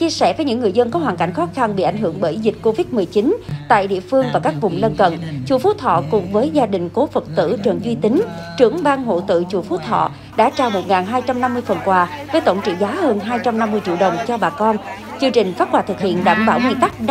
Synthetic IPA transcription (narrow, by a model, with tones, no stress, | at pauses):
t͡ɕi˧əsɛ˧˩vəː˨˦jɲɨ˧˥ŋːɨ˨˩əjzə˧nkɔ˨˦ɦwaː˨˩ŋka̰˧˩jŋ̟xɔ˨˦˥xa˧nɓḭ˧˨ʔa˧˩jŋ̟ɦɨ˧˩əŋɓəː˧˩ʔi˧zï̟˨˩ko˧vi˦˥t̚mɨ˨˩əjt͡ɕi˨˦nt̪a̰ː˧˨jɗḭ˧˨əfɨ˧əŋvaː˨˩kaː˦˥k̚vʊ˨˩ŋ͡mlə˧nkə̰˧˨nt͡ɕṵ˧˩fu˨˦˥t̪ʰɔ̰˧˨kʊ˨˩ŋ͡mvəː˨˦jzaː˧ɗï˨˩ŋ̟ko˨˦fə˨˩t̚t̪ɨ̰˧˨t͡ɕə˨˩nzwi˧t̪ï˨˦ŋt͡ɕɨ˧˩əŋɓaː˧nɦo̰˧˨t̪ɨ̰˧˨t͡ɕṵ˧˩fu˨˦˥t̪ʰɔ̰˧˨ | ɗa̰ː˧˥t͡ɕaː˨˩wmo˨˩t̚ŋaː˨˩nɦaː˧jt͡ɕa˧mna˧mːɨ˧əjfə˨˩nkwaː˨˩vəː˨˦jt̪ə̰˧˩wŋ͡mt͡ɕḭ˧˨zaː˨˦həː˧nɦaː˧jt͡ɕa˧mna˧mːɨ˧əjt͡ɕḭ˧˨wɗə˨˩wŋ͡mt͡ɕɔ˧ɓaː˨˩kɔ˧n | t͡ɕɨ˧ŋt͡ɕï˨˩ŋ̟faː˦˥t̚kwaː˧˩t̪ɨ˨˩k̚hḭ˧˨ənɗaː˧˩mɓa̰ː˧˩wzi˧t̪a˦˥k̚ɗ